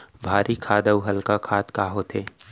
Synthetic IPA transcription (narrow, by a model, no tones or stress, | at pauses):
bʱaːɾʔikʰaːd̪əwɦɐlkakʰaːt̪kaːɦot̪ʰeː